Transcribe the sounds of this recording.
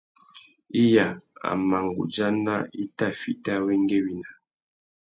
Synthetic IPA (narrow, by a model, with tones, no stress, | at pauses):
i˦ja˨a̰˨ma˨ŋɡṵ˨d͡ʒa˦na˦i˦ta˦˨fi˦ta˦we˦ŋ˦ɡe˦wi˨na˨